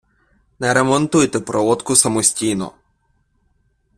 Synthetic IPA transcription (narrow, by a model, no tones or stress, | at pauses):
nɛɾɛmɔnt̪ujt̪ɛpɾɔɔt̪kʊsɐmusʲtʲijnɔ̰